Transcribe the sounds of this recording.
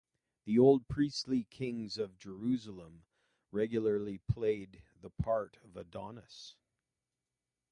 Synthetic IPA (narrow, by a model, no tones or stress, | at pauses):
ðioʊlˠd̚pʰɹ̥istˡlikʰɪ̃ŋzʌvd͡ʒə˞ʉzl̩ˠə̃m | ɹɛɡjl̩ˠə˞lˠipʰl̥eɪd̪̚ðəpʰɑɹɾʌvədɑnɨs